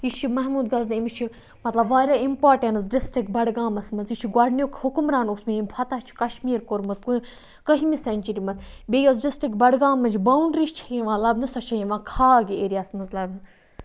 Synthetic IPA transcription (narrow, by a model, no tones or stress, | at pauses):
jit͡ʃʰimɐɦmuːd̪ɡɐznimit͡ʃʰi | mɐt̪lɐbʋaːɾʲaimpaːɾʈensɖɪsʈikbɐɽɡaːmɐsmɐzjit͡ʃʰiɡaɽnʲjokhukumɾaːnosmiimʲpʰɐt̪ɐt͡ʃʰi̥kɐʃmiːɾkoɾmɐt̪ku | kəɦimisɐnʲt͡ʃiɾimɐt̪ʰbʲeːjɐz̬ɖisʈɾikbɐɽɡaːmɐt͡ʃʰbɐunɖɾiʃt͡ʃʰɐjiʋãːlɐbnɨsɐt͡ʃʰɐjiʋãːkʰaːɡieɾiasmɐzlɐbnɨ